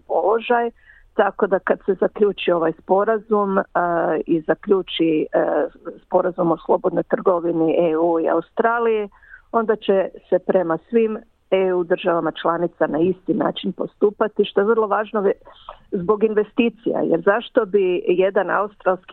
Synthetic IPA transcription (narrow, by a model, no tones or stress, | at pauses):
polo̞ʒaj | t̪ako̞d̪akad̪se̞zakʎuːt͡ʃio̞ʋajspo̞ɾazum | izakʎuːt͡ʃi | spo̞ɾazumo̞slˠo̞bo̞d̪no̞jt̪r̩ɡo̞ʋiniʔeuːia̰ust̪ɾaːlije | o̞nd̪at͡ʃe̞se̞pɾe̞masʋim | eud̪r̩ʒaʋamat͡ʃlˠanit̪sanaist̪ina̰ːt͡ʃinpo̞st̪uːpat̪iʃt̪o̞jeʋər̩lˠo̞ʋaːʒno | zbo̞ɡinʋe̞st̪iːt̪sija̰jeɾzaʃt̪o̞bije̞d̪ana̰ust̪ɾalˠski